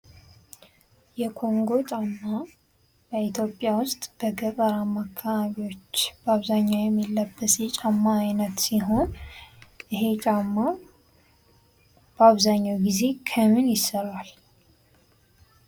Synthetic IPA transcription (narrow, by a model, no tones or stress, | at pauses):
jɛkʰo̞ŋɡo̞t͡ʃʼamːa | b̥əit̪jo̞pʼːjawʊst̪ʼb̥əɡəkʼəɾamakʰːaβaβiwo̞t͡ʃːb̥əaβzaɲːawjɛmːilːəbːəsjɛt͡ʃʼamːaːjnət̪siɦo̞n | ʔɨɦe̞t͡ʃʼamːa | b̥əaβzaɲːawɡize̞kʰəmɨnjɪsəɾal